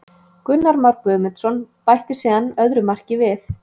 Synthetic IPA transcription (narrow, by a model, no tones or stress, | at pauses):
kʏnːaɾmaɾpœːmɛt̪sɔnpajht̪ɪ̥sɛːðanœðɾʏmar̥cɪvɪθ